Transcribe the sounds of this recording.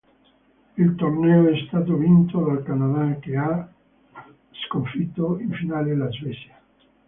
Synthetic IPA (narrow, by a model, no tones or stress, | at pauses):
ilt̪ornɛːoɛst̪aːt̪̬ovint̪od̪alkanad̪ak̟ea | skoɱfit̪ːoiɱfinaːlelazvɛsja